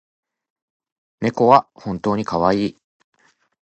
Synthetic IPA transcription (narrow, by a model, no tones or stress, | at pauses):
me̞ko̞βahõ̞nt̪o̞ːɲ̟ikaβaiː